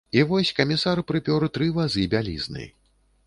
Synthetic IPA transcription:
ivɔsʲkɐmʲisaɾpɾɨpʲɔɾɨt̪ɾɨvɐzʲibʲalʲḭznɨ̰j

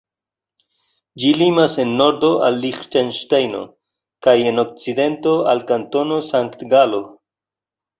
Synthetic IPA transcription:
d͡ʒilimase̞nːo̞ɾd̪o̞ʔa̰lːiχtenʃtajno̰ | kaje̞no̞k̚t͡sid̪e̞nto̞a̰lkanto̞no̞saŋkt̪ɡalo

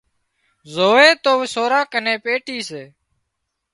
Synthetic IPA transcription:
zoːeːt̪oːʋɪsoːɾãːkənẽːpeːʈiːseː

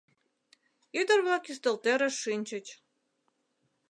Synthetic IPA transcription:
yd̪ə̆rβɑkyst̪ə̆lt̪eɾə̆ʃinʲt͡ɕə̆t͡ɕ

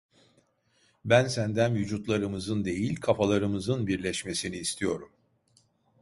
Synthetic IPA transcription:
bænsænd̪ænvyd͡ʒut̪lˠaɾɯmɯzɯnd̪e̞jilʲkʰafalˠaɾɯmɯzɯnbiɾlʲɛʃme̞siniːst̪ʰijo̞ɾum

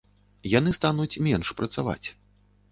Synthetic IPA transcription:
janɨst̪anut͡sʲmʲɛnʂpɾɐt̪sava̰t͡sʲ

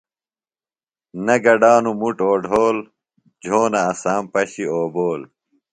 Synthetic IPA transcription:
nɐɡɐɖaːnumuʈoːɖʱoːl | d͡ʑʱoːnɐːsaːmpɐɕioːboːl

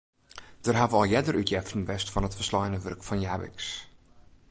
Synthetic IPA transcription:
d̥ərɦavəɔlˠjɛdərʔytjɛftnʋɛstfɔnətfərslɔjnəʋɵrkfɔnjaːʋɪ̰ks

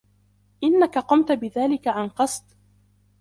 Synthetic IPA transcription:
ʔɪnːakaqʊmt̪abɪðaːlɪkaʕanqɑsˤd̪̥

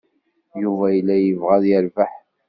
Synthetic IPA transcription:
juvæjlːæjəvʁæðjəɾvaħ

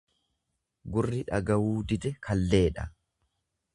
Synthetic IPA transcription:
ɡʊrːɪᶑɐɡɐwuːd̪ɪd̪ɛkʰɐlːe̞ːᶑɐ

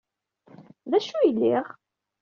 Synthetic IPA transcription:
ðæʃujəlːiʁ

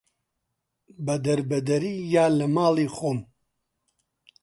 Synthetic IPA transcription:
bɐd̪ɐɾbɐd̪ɐɾiːjaːlɐmaːlˠiːxoːm

